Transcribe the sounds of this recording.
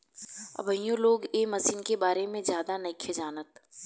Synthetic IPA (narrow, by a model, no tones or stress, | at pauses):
ɐ̰bʱəijõloːɡeːmɐsiːnkebaːɾemẽzjaːd̪anɐɪkʰed͡ʒaːnət̪